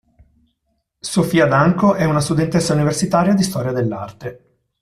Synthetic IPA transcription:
sofiːad̪aŋkoʔɛunast̪ud̪ent̪esːauniversit̪aːɾjad̪ist̪ɔːɾjad̪elːa̰rt̪e

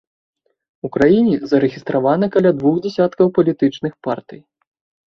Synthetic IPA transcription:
ukɾajinʲɛzɐɾɨɣʲist̪ɾavanɨkɐlʲad̪vuxd͡zʲasʲat̪kɐwpɐlʲit̪ɨt͡ʂnɨxpart̪ɨj

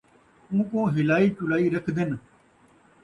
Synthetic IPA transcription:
ũːkõːɦɪlaːiːt͡ʃʊlaːiːɾəkʰd̪ɪn

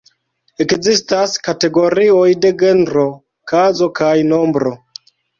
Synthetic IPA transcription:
e̞kzistaskate̞ɡo̞ɾio̞jde̞ɡe̞nɾo̞ | kazo̞kajno̞mbɾo̞

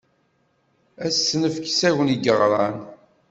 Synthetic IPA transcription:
æsːnəfksæwəniɡəʁɾˤɑn

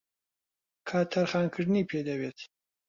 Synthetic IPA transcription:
kʰaːt̪ʰɐɾχaːnkʰɨʐnipʰeːd̪ɐweːt̪ʰ

